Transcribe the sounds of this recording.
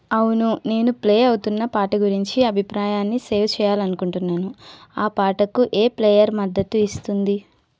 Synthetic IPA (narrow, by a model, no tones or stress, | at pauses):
ɐwunune̞ːnupleːɐwut̪unːɐpaːʈɐɡuɾiɲt͡ʃiɐbʱipɾaːjaːnːise̞ːwt͡ʃɛːjaːlɐnukuɳʈunːaːnuaːpaːʈɐkuʔeːplɛːjɐɾmɐd̪ːɐt̪uist̪und̪i